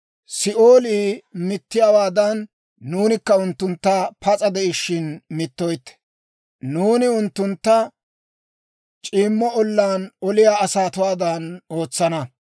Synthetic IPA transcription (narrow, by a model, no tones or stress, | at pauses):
sɪʔo̞ːliːmɪt̪ːɪjaːwaːd̪ɐnː | uːnɪkːɐʊnt̪ːʊnt̪ːɐpɐt͡sʼɐd̪ɛɪʃːɪnmɪt̪ːɔjt̪ːɛ̥ | nuːnɪʊnt̪ːʊnt̪ːɐ | t͡ʃʼiːmːɔɔlːaːnɔlɪjaːɐsaːt̪ʊwaːd̪ɐno̞ːt͡sːɐnɐ